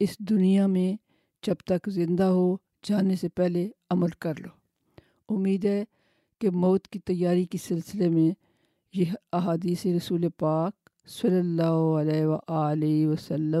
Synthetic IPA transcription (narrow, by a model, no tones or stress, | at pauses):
ɪsd̪ʊnijamẽ | d͡ʒɐbt̪ɐkzɪ̃nd̪aɦoː | d͡ʒaːnesepɛɦleɐməlkɐɾloː | ʊmːiːd̪ɦɛː | kemɔːt̪kit̪ɐjːaːɾikisɪlsɪlemẽ | jeɦɐɦaːd̪iːseɾɐsuːlepaːk̚ | sɐlːəlːaːɦoəlɛːʋaʔaːlɪiʋəsəlːə